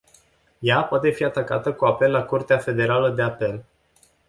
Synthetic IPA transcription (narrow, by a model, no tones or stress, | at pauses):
japoat̪e̞fiat̪aka̰t̪əkuape̞lːakurt̪eafe̞d̪e̞ɾaləd̪e̞ape̞l